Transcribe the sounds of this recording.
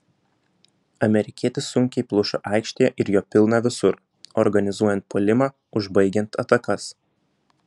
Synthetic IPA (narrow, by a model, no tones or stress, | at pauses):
ɐmʲɛɾʲɪkʲiɛt̪ʲɪsʊŋʲkʲɛɪplˠʊʃʊʔɑˑɪkʃʲt̪ʲeːjɛʔɪɾjoːpʲɪlˠnɑʋʲɪsʊɾ | ɔɾɡɐnʲɪzuɔjɛnt̪̚pʰoːlʲɪmɑː | ʊʒbɐɪɡʲɛnt̪ʰɐt̪ɐkɐs